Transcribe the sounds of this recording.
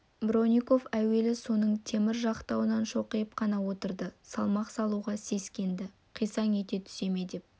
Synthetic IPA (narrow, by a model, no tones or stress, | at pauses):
bro̞nʲijko̞fæwe̞lɪsunəɴt̪ʰe̞mɪɾʒɑqt̪ɑwənɑnʃo̞qəjəp̚qʰɑnɑwo̞t̪əɾd̪əsɑlˠmɑqsɑlˠuʁɑse̞skʲe̞nd̪ɪ | qʰijsɑŋe̞t̪e̞t̪ʰʏ̥se̞me̞d̪e̞p̚